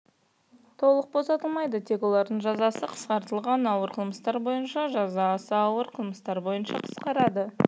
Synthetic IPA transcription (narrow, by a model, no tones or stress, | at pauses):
t̪ʰo̞lˠəq̚bo̞sɑt̪əlˠmɑjd̪ət̪ʰe̞kwo̞lˠɑɾd̪əɴʒɑzɑsəqʰə̥sqɑɾt̪əlˠʁɑnɑwəɾqʰəlˠməst̪ɑɾbo̞jənʃɑʒɑzɑsəɑwəɾqʰəlˠməst̪ɑɾbo̞jənʃɑqʰə̥sqɑɾɑd̪ə